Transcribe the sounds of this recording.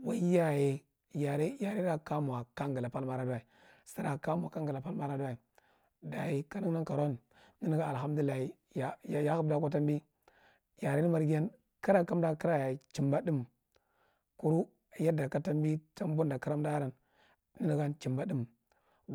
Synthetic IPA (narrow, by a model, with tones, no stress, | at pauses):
wa˦ja˨je˨ | ja˨ɾi˦ja˨ɾi˦a˦ka˦mu˨wa˨ka˦ŋɡa˨la˨pa˦lma˨ɾa˦da˨i˨ | sa˦ɾa˨ka˦mu˨a˨ka˦ŋɡa˨la˨pa˦lma˦ɾa˦da˦i˨ | da˨ji˨ka˦ni˦na˦ŋka˨ɾo˦n˨ | ni˦ni˦ɡa˦˨ɦa˦m˦du˨˦i˦˨a˨hi˦ | ja˨jja˦hu˦bda˦kʷa˦ta˦mbi˦ | ja˨ɾi˦ni˦ma˨ɾɡi˦ja˦n | ka˦ɾa˨ka˦mda˦ki˦ɾa˦ja˨t͡ʃi˨mba˦di˦m | ku˦ɾu˦˨ | ja˦da˨ka˦ta˦mbi˦ta˦m˦bu˦nda˨ka˦ɾa˦mda˦ɾa˨n | ni˦ni˦ɡa˦nt͡ʃi˨mba˦di˦m